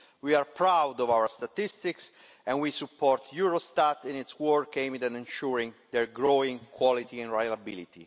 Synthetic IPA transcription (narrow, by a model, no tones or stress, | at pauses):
wiaɾpɾawd̪ɔvawəɹst̪at̪ist̪iks | ɛ̃nwisupːɔɾt̪ʰjuɾost̪at̪ĩnit̪swɔɹkẽmd̪ɛ̃nɛ̃nʃuɾĩŋd̪ɛɹɡɹoĩŋkʰwɔlit̪iɛ̃nɹajlabilit̪ḭ